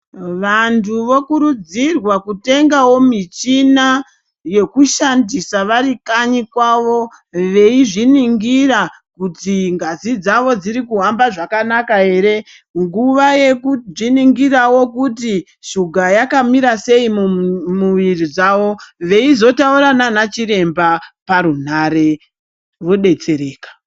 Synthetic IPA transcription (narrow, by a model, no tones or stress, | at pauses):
ʋantʰuʋo̞kuɾud͡zirwakute̞ŋɡawo̞mit͡ʃina | je̞kuʃandisaʋaɾikaɲikwaʋo̞ | ʋe̞iʐiniŋɡira | kutiŋɡazid͡zaʋo̞d͡ziɾikuɦambaʐakanakaɦe̞ːɾe̞ | ŋɡuʋaje̞kuʐiniŋɡirawo̞kuti | ʃuɡʱajakamiɾase̞imumuʋirid͡zaʋo̞ʋe̞izo̞tauɾananat͡ʃiɾe̞mbapaɾun̤are̞ | ʋoɗe̞t͡se̞ɾe̞ːkḁ